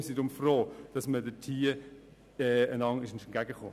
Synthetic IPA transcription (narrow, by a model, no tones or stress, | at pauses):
sidʊmfroːd̥ɑsmədətʰiː | ɛːənɑŋɪʃɪnʃn̩ɡ̥æɡəχo̰ː